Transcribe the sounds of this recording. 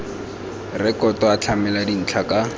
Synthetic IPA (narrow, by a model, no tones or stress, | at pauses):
rɛkɔtɔat͡ɬʰamɛladin̩t͡ɬʰaka